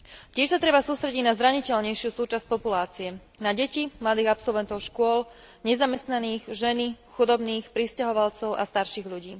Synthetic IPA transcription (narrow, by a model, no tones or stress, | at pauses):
cɪɛʃsat̪ɾɛbasuːst̪ɾɛɟiɟnazɾaɲicɛʎɲɛjʃɪusuːt͡ʃasc̚pɔpulaːt͡siɛnaɟɛcimlad̪iːɣapsɔlʋɛnt̪ɔʊʃkʊɔl | ɲɛzamɛst̪naniːɣʒɛnixud̪ɔbniːxpɾiscaɦɔʋalt͡sɔʊʔa̰st̪aɾʃiɣʎuɟiː